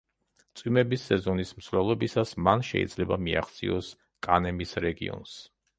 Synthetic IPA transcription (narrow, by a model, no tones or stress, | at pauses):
t̪sʼwimɛbisːɛzɔnismsvlɛlˠɔbisasmanʃɛ̰ḭd̪zlɛbamia̰χt̪sʰʼḭɔs | kʼanɛmisɾɛɡḭɔ̰ns